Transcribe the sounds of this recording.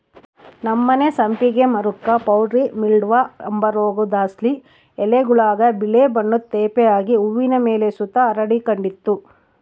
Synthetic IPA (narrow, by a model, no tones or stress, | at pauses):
nɐmːɐnesɐmpiɡe̞mɐɾukːɐpɐwɖɾimiɭɖʋɐɐmbɐɾoːɡud̪aːsli | ɛleɡuɭaːɡɐbiɭebɐɳːut̪ːeːpɛjaːɡiuʋːinɐmeːlesut̪ɐːɾɐɽikɐɳɖit̪ːu